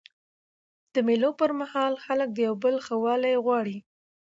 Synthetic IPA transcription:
d̪̥əmelopəɾmahɑlxalək̚d̪əjawbəlxəwɑlajɣwɑɽi

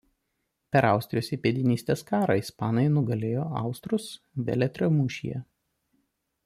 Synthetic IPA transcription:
pʲɛɾɑˑʊsʲt̪ɾʲɪjoːsʲipʲeːd̪ʲɪnʲiːsʲt̪ʲeːskɑːɾɑɪspɑːnɐɪnʊɡɐlʲeːjoːɑ̰ˑʊst̪ɾʊs | ʋʲɛ̰lʲɛt̪ʲɾʲomuːʃʲḭjɛ̰

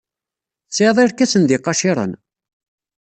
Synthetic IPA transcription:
t͡sːeðˤɪɾkæsənðɪqːɑʃɪɾˤə̰n

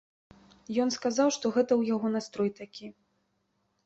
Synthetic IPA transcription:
jɔnskazawʂt̪ɔɣɛt̪ɐwjaɣɔnast̪ɾɔjt̪akʲi

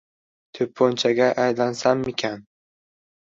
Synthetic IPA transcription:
t̪ʰɵpʰːont͡ʃʰaɡʲaʔajlansamekʲʰan

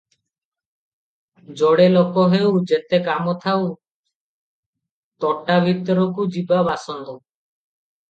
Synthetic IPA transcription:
d͡ʒɔɽelokɔɦewd͡ʒet̪ekamɔt̪ʰaw | t̪ɔʈːabʱit̪ɔɾɔkud͡ʒibabasɔnd̪ɔ

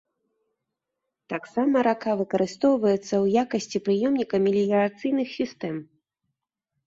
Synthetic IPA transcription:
t̪aksamɐɾakavɨkɐɾɨst̪ɔwvɐjɛt̪sːɐwjakɐsʲt͡sʲipɾɨjɛmnʲikɐmʲilʲijɾat̪sɨjnɨxsʲist̪ɛm

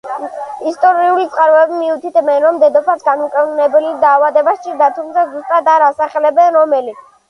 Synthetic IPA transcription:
ist̪ʼɔɾiulit̪sʼqʼaɾvɛbimiut̪ʰit̪ʰmɛnɾɔmd̪ɛd̪ɔpʰasɡanukʼɛvnɛbɛlid̪aːvad̪ɛbast͡ʃʼiɾd̪at̪ʰumt̪sʰazust̪ʼad̪aɾasaχɛlɛbɛnɾɔmɛli

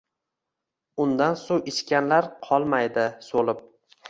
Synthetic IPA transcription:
ʊnd̪ansowɪʃkʲanlaɾqʰɒlˠmajd̪ɪsolɪp̚

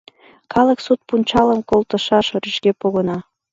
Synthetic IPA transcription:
kʰɑləksut̪̚punʲt͡ɕɑləmkolt̪ə̆ʃɑʃoɾyʃkepoɣənɑ

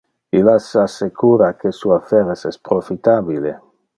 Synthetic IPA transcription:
ilasasekuɾakesuafeɾesespɾofit̪aβilḛ

